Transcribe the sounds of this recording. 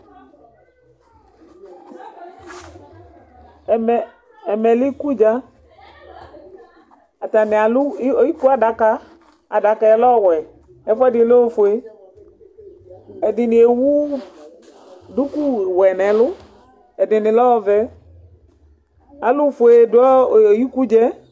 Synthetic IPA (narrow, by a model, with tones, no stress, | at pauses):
mɛ˨ | ɛ˨mɛ˨li˦ku˦d͡ʒa˦ | a˨ta˨nɪ˨a˨lu˦i˦ku˦a˦da˨˦ka˦ | a˨da˨ka˧ɛ˧˦lɔ˦˨wɛ˨ | ɛ˨˦fʊ˦ɛ˦dɪ˧˨˦lo˦fʊ˨e˦ | ɛ˨dɪ˨nɪ˨e˨wu˦ | du˦ku˦˨wɛ˨nɛ˨lʊ˦ | ɛ˨dɪ˨nɪ˨lɔ˦ɔ˧vɛ˨˦ | a˨˦lʊ˦˨fʊ˨e˨dʊ˦ɔ˦˨ji˦ku˦d͡ʒɛ˦